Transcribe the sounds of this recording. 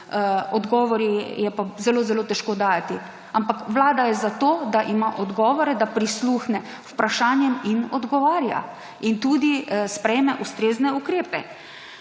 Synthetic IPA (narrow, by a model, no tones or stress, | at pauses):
ɔd̪ɡɔːʋɔɾijɛpazɛloːzɛloːt̪ɛʃkoːd̪aːjat̪i | ampakʋlaːd̪ajɛzat̪oːd̪aʔimaʔɔd̪ɡɔːʋɔɾɛd̪apɾisluxnɛ | upɾaʃanjɛminɔd̪ɡɔʋaːɾja̰ | int̪uːd̪ispɾɛjmɛʔust̪ɾeːznɛukɾeːpɛ